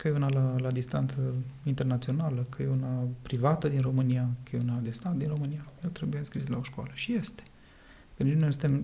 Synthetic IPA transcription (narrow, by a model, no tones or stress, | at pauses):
kəjeunalalad̪ist̪ant̪səint̪e̞rnat̪sio̞naləkəjeunapɾivat̪əd̪inro̞mɨnijakəjeunad̪e̞st̪at̪̚d̪inro̞mɨnijajelt̪ɾebujenskɾislaoʃkwa̰ləʃije̞st̪e̥ | kənnest̪em